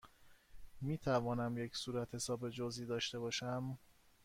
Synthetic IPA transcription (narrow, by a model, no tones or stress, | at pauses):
miːt̪ʰævɒːnæmje̞csuːɾæt̪he̞sɒːbe̞d͡ʒoziːd̪ɒːʃt̪e̞bɒːʃæm